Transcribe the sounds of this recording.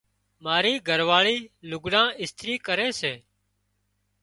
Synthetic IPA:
maːɾiːɡʱəɾʋaːɭiːlʊɡɽãːɪst̪ʰɾiːkəɾeːseː

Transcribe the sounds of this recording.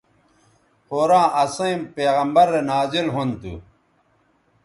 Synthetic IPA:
hoːɾãːʔɐsɐimpeːɣɐmbɐɾːenaːzilɦont̪ṵ

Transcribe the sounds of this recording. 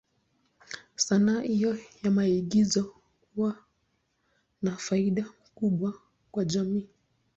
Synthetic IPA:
sanaːʔijɔjamaiɠizɔ | kuwa | nafaiɗamkuɓwa | kwaʄamiː

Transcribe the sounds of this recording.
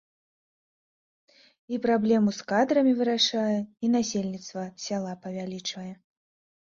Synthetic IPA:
ipɾablʲɛmuskad̪ɾɐmʲivɨɾaʂajɛin̪asʲelʲnʲit̪st̪vɐsʲalˠapɐvʲalʲit͡ʂvɐjɛ

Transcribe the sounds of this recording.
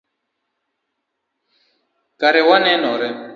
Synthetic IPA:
kaɾɛwanɛnɔɾɛ

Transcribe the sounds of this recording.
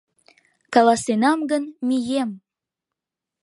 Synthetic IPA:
kɑlɑsenɑmɡənmijem

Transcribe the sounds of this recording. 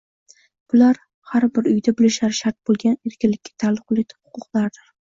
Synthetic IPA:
b̥ʊlaɾ | haɾbɪɾʊjd̪abɪlɪʃaɾɪʃaɾt̪̚bolˠɡʲane̞ɾkʲʰɪnlːɪkʲːḁt̪ʰalˠːʊqlˠet̪ʰɪ̥phʊ̥qʊqlˠaɾd̪ɪɾ

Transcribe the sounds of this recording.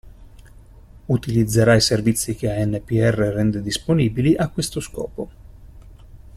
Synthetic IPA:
ut̪ilid̪zːeɾaiservit̪sːik̟eaɛnːepiɛrːerɛnd̪ed̪isponiːbiliʔakːwest̪oskɔ̰ːpo

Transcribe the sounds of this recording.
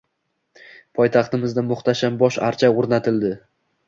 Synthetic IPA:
pʰɒjt̪ʰɑχt̪ɪmɪzd̪amʊχt̪ʰaʃambɒʃa̰ɾt͡ʃʰaoɾnat̪ʰɪld̪ɪ

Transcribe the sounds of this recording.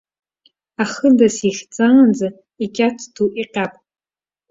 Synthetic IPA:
aχədasiχʲt͡sʼaand͡za | ikʲʼatʰtʰuʔiqʲʼapʼ

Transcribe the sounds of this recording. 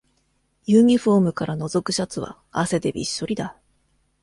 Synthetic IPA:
jɯːɲ̟iɸo̞ːmɯ̟kaɾano̞zo̞kɯ̟ɕat͡sɨβa̰ | ase̞d̪e̞bʲḭɕːo̞ɾʲid̪a

